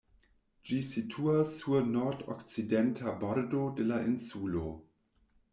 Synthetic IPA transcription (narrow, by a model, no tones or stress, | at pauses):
d͡ʒisitʰuasːunoɾdo̰kt͡sidentʰaboɾdodelaʔinsulo